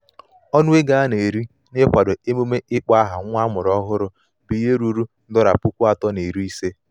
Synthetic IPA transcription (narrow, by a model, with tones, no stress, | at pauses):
ɔ˦nʊ˦e˦ɡa˨˦ne˨ɾi˦ | nɪ˦kʷa˨do˨e˦mu˦me˦ʔɪ˦k͡pa˦ɦa˨ŋʷ˦a˦mʊ˨ɾɔ˦ɦʊ˦ɾʊ˦ | bi˨je˦ɾu˨ɾu˦n̩˦dɔ˦ɾa̰˨pu˦kʷu˦a˦tɔ˦ne˨ɾi˦i˦se˦